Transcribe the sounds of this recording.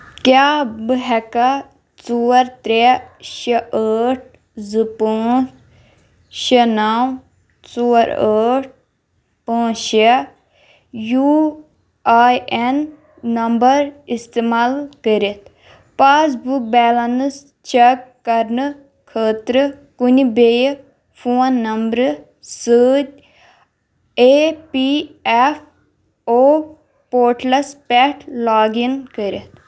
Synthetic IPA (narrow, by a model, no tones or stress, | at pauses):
kjaːbəɦɛka | t͡suːəɾt̪ɾɛʃeʔəʈ̚ʰ | zɨpoːt͡s | ʃɐnaːw | t͡soːɾəːʈ̚ʰ | pãːʃe | ju | aːɛnː | ɐmbəɾist̪eːmaːlkəɾit̪ | paːs̬buk̚bɛːlɐns | t͡ʃɛkːɐɾnɨ | kʰəːt̪ɾɨ | kunibej | pʰoːnːɐmbɾɨ | səːdʲ | epiɛf | oː | poːɾʈlɐspɛʈʰlaːɡinkəɾit̪